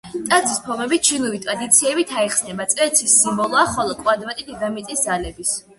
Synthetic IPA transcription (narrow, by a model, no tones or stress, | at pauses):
t̪ʼad̪zispʰɔmɛbit̚t͡ʃʰiluvit̪ʼɾad̪it̪sʰiɛbit̪ʰaɛχsnɛbat̪sʼwɛt̪sʰisːimbɔlˠɔaχɔlˠɔkʼwad̪vat̪ʼid̪id̪amit̪ʼisd̪zalɛbis